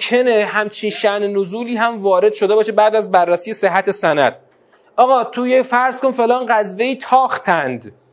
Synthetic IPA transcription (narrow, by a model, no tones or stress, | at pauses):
kʰeneɦæmt͡ʃʰiːnʃæʔnenozuːliːɦæmvɒːɾe̞d̪̥ʃo̞d̪e̞bɒːʃebæːd̪æzbærːæsijese̞ɦːæt̪ʰe̞sænæ̰d̪̥̚ | ʔɒːɣɒːt̪ʰojefæɾz̥konfe̞lɒːnɢæzve̞jiːt̪ʰɒːxt̪ʰænd̪